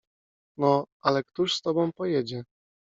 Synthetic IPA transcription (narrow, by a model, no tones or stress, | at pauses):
nɔʔalɛkt̪uʂst̪ɔbɔ̃w̃pɔjɛd͡ʑɛ